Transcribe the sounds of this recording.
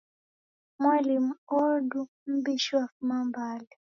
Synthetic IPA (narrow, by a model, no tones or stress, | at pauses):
mwalimuɔɾdu | m̩biʃwafmambalɛ